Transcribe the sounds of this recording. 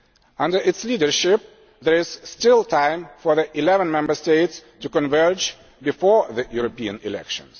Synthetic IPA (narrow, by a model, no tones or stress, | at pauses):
ʌ̃ndə˞ɨtslidə˞ʃɪp̚ | ðə˞ɪz̥stɪlˠtʰãɪ̃mfɔ˞ðiʔɪlɛvə̃nmɛ̃mbə˞steɪtstɨkə̃nvɜ˞d͡ʒ | bɨfɔɹðɨjuɹəpiɨ̰̃nɪ̰lɛ̰kʃə̰̃nz̥